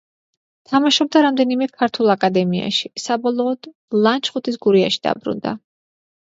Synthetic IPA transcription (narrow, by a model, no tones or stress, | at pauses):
t̪ʰamaʃɔb̚d̪aɾamd̪ɛnimɛkʰaɾt̪ʰulˠakʼad̪ɛmia̰ʃisabɔlˠɔːd̪̥ | lˠant͡ʃʰχut̪ʰisɡuɾiaʃi̥d̪̥a̰bɾṵnd̪a̰